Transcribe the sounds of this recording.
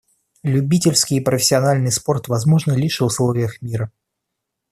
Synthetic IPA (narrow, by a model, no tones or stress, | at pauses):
lʲʉbʲitʲɪlʲskʲɪjːpɾəfʲɪ̥sʲːɪɐnalʲnɨjspo̞rt̪vɐzmo̞ʐnəlʲiʂvʊslˠo̞vʲɪjəxmʲiɾə